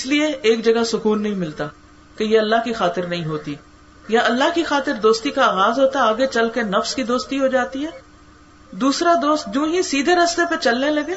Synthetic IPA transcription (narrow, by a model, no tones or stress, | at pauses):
ɪslieeːk̚d͡ʒɐɡasʊkuːnːɐɦĩmɪlt̪a | kejeɐlːaɦkixaːt̪ɪɾnɐɦĩɦoːt̪i | jaɐlːaɦkixaːt̪ɪɾd̪oːst̪ikaaːɣaːzɦoːt̪aaːɡet͡ʃɐlkenɐfskid̪oːst̪iɦod͡ʒaːt̪iɦɛː | d̪uːsɾad̪oːst̪̚d͡ʒõːɦisiːd̪ʱeɾɐst̪epet͡ʃɐlnelɐɡeː